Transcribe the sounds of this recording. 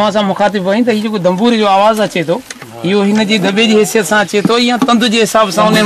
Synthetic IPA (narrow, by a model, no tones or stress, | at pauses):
ʋ̤ãs̬ãmʊxaːt̪̬ɪbɐĩt̪ɐɦiːd͡ʑeːkod̪ɐ̃mbuːɾid͡ʑoaːʋaːzɐt͡ɕet̪ʰoː | ɪɦoɦɪnə̆d͡ʑiːd̪ɐbed͡ʑiːɦɪsijət̪sãɐt͡ɕet̪ʰoɪjãt̪ɐ̃nd̪ʱʊd͡ʑeːɦɪsaːbsãʊnə